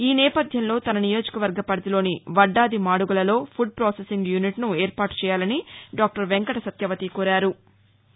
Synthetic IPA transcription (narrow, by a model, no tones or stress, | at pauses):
iːnɛːpɐd̪ʱjɐnlo̞ːt̪ɐnɐnijo̞ːd͡ʒi̥kɐʋɐɾɡɐpɐɾɐt̪ilo̞ːniʋɐɖːaːd̪imaːɽuɡulɐlo̞ːpʰuɖ̚pɾoːsesiŋɡjuniʈnueːɾpaːʈu̥t͡ʃɛːjaːlɐniɖaːk̚ʈɐɾʋeŋkɐʈɐsɐt̪jɐʋɐt̪ikɔːɾaːɾu